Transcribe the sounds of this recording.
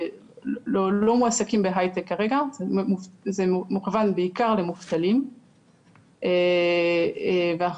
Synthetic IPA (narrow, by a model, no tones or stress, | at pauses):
lolo̞muasakimbeɦajt̪ekːaʁeɡazemufzemuχvanbeikaʁlemuft̪alim | e | veaa